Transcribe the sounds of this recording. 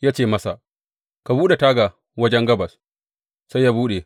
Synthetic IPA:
jaː˦t͡ʃeː˦˨mɐ˦sa˨ | ka˨buː˦ɗe˨taː˦ɡa˨ | wɐ˦d͡ʒɛ˦ŋɡɐ˦bɐ˨s | sa˦jaː˦buː˦ɗe˨

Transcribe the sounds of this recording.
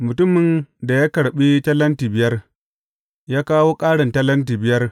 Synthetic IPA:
mʊ˨tʊ˦mːɪ˨nda˨jaː˦kɐ˨ɽɓi˦tɐ˦lːɐ˦ntiː˨bɪ˦jɐ˦r | jaː˦kaː˦woː˦kʼaː˦ɽɐ˨ntɐ˦lɐ˦nt̬iː˨bɪ˦jɐ˦r

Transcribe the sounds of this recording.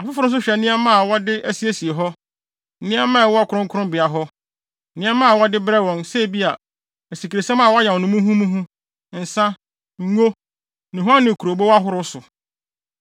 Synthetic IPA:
a˨fɪ˦fʊ˦ʊ̃˦s̬ʊ˦ɕᶣɛ˨˦nĩ˦ɛ˦mã˦a˨wɔ˦dɪ˦æ˦si˦e˦si˨e˨ɦɔ˦ | nɪ̃˦ɛ˦mãː˦˨ɛ˨wɔ˦a˦kʰʊ˨ɾʊ̃˦ŋ˦kʰʊ˦ɾʊ̃˦mbɪ˨a˨ɦɔ˦ | nɪ̃˦ɛ˦mːã˦a˨wɔ˦dɪ˦bɾɛ˦wɔ̃˨nsɛ˦˨bi˦a˨ | æ˨si˨ki˨ɾe˨sɛ̃˦mã˨wɔ˦a˦jɛ˨nʊ̃˦mũ˦ɦũ˦mũ˦ɦũ˦ | n̩˨sã˦ | ŋ̩˦ŋo˦ | nũ˨ɦã˦nːɪ̃˨kʰu˨ɾo˨bo˦wa˦ɦʊ˦ɾʊ˦sʊ˨

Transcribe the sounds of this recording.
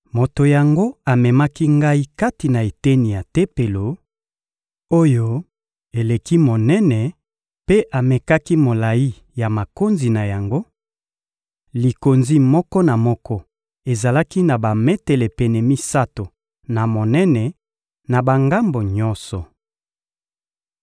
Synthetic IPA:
mo˨to˨ja˨ŋɡo˦a˨mɛ˨ma˦ki˦ŋɡa˦i˦ka˦ti˨na˨e˨te˦ni˨ja˨te˦pe˨lo˨ | o˦jo˦ | e˨le˨ki˦mo˨nɛ˦nɛ˨ | pe˦ʔa˨mɛ˨ka˦ki˦mo˨la˨ji˦ | ja˨ma˨ko˦nzi˨na˨ja˨ŋɡo˦ | li˨ko˨nzi˦mɔ˦kɔ˦na˨mɔ˦kɔ˦ | e˨za˨la˦ki˦na˨ba˨me˦tɛ˨lɛ˨pɛ˨nɛ˨mi˦sa˦to˨ | na˨mo˨nɛ˦nɛ˨ | na˨ba˨ŋɡa˦mbo˨ɲɔ̃˦nsɔ˨

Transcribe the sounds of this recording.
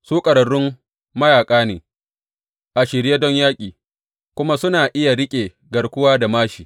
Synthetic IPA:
suː˦kʼɐ˨ɽɐ˨ɽʊ˦m | mɐ˦jaː˨kʼaː˦neː˨ | ʔa˨ʃɪ˨ɽje˦dɔ˦ɲjaː˦kʲʼiː˨ | kʷʊ˦ma˦sʊ˦naː˨ʔɪ˦ja˨ɽɪ˦kʲʼeː˨ | ɡɐ˨ɽkʷʊ˦waː˦da˨maː˦ʃiː˨

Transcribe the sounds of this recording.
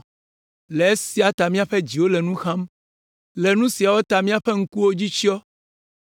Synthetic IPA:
le˨e˦si˦a˨t̪a˨mĩ˦a˨ɸɛ˦d͡ʑi˨wo˦lɛ˨nũ˦xã˦m | lɛ˨nũ˦si˨a˨wo˦t̪a˨mĩ˦a˨ɸɛ˦ŋ̩˦ku˦wo˦d͡ʑi˦t͡ʃi˦ɔ˦

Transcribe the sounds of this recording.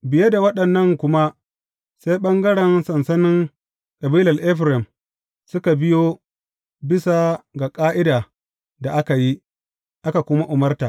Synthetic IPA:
bɪ˨je˦da˨wɐ˦ɗɐ˨nːɐ˦˨ŋkʷʊ˦ma˦ | se˦jɓɐ˦ŋɡɐ˦ɽɛ˨nsɐ˨nsɐ˦nɪ˦ŋ | kʼɐ˨biː˦lɐ˨rʔɛ˦ɸɾɛ˨m | sʊ˦ka˨bɪ˦joː˦ | bɪ˦sa˨ɡa˨kʼaː˦ʔɪ˦daː˨ | da˨ʔa˦ka˨ji˦ | ʔa˦ka˨kʷʊ˦ma˦ʔʊ˨mɐ˦rtaː˨

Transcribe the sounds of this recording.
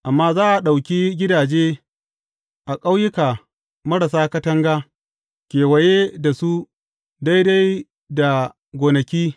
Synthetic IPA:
ʔa˨mːaː˦zaː˦ʔa˨ɗa˨wkʲiː˦ɡʲɪ˦daː˨d͡ʒeː˦ | ʔa˨kʼa˦wjɪ˦kaː˨ | mɐ˦ɽa˨saː˦kɐ˦tɐ˦ŋɡaː˦ | kʲeː˨wɐ˨jeː˦da˨su˦ | da˦jda˦j | da˨ | ɡʷoː˨nɐ˨kʲiː˦

